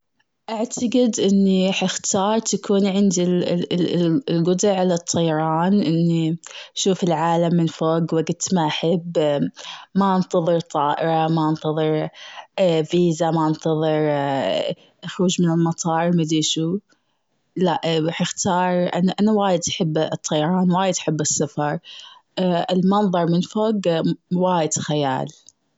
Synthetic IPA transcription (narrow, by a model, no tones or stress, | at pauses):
ʔaʕt̪ʰaɡɪd̪ʔɪnːiɾħɪxt̪ɑːɾˤt̪akʰuːnʕɪnd̪i | lɡʊd̪ɪʕːalat̪ˤʰːɑjɑɾˤɑːnʔɪnːiʃuːfɪlʕaːlamːɪnfoːɡwɪɡʊd̪t̪maʔaħabː | maʔant̪ɑðˤɨɾt̪ˤɑːʔɪɾˤɑmaʔɑnt̪ɑðˤɨɾ | fiːzamaʔɑnt̪ɑðˤɨɾ | ʔaxɾuːd͡ʒmɪnɪlmɑt̪ˤʰɑːɾˤmad̪iːʃu | laʔɾaːħɪxt̪ɑːɾˤʔa̰nʔanawaːjɪd̪ʔaħɪbːt̪ˤːɑjɑɾˤɑːnwaːjɪd̪ʔaħɪbːɪsːafɑɾˤ | ɪlmɑnðˤɑɾˤmɪnfoːɡwaːjɪd̪xaja̰ːl